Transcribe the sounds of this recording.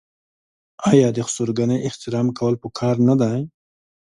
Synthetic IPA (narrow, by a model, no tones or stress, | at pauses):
ɑjɑd̪əxʊ̥suɾɡanəjɪht̪ɪɾɑmkawəlpəkʰɑɾnad̪aj